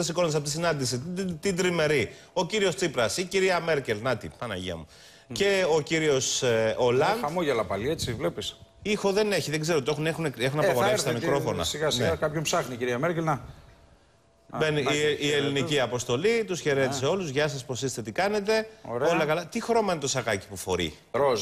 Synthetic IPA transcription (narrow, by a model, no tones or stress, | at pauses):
ɐsiko̞nt̪sɐpot̪isinɐnd̪is̬it̪id̪ɾime̞ɾi | o̞ciɾio̞st͡sipɾɐsiciɾiɐme̞ɾce̞lnɐt̪ḭpɐnɐ̰ʝḭɐ̰mu | ce̞o̞ciɾio̞solɐnɐmoʝelɐpɐliet͡sivlepisixo̞ðe̞ne̞çiðeɡzeɾot̪oe̞xunexuneexunɐpɐɣoɾefst̪ɐmikɾo̞fonɐ̰siɣasnieakɐpçompsɐxniciɾiɐmeɾcelnɐ | beniieliniciɐpo̞st̪o̞lit̪usçe̞ɾe̞t̪i̥se̞o̞luzʝɐsɐspo̞sist̪e̞t̪ikɐne̞t̪̬e̞oɾolɐkɐlɐt̪ixɾo̞mɐinet̪o̞sɐɣɐci̥pufo̞̰ɾḭ | ɾoz